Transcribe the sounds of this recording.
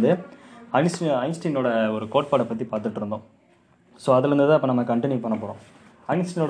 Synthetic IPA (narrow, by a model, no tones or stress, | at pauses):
d̪ɯɐɪnsɐɪnsʈinoːɽɐɔɾɯkoːʈ̚paːɽɐpːɐt̪̬ːipaːɾt̪ɯʈːɯɾɯnd̪õː | soːɐðɪɾɯnd̪ɯðãːɐpːɐ̃ːnɐmːɐkɐɳʈɪnjupɐɳːɐpoːɽõː | ɐɪnsʈɪnoː